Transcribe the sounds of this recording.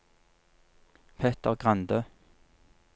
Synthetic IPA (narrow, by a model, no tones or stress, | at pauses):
pʰɛːt̪əʁɡʁɑnd̪øː